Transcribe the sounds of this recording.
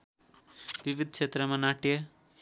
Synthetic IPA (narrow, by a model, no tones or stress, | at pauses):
ʋiʋid̪̚ʱkʃet̪ɾɐmɐnaːʈjɐ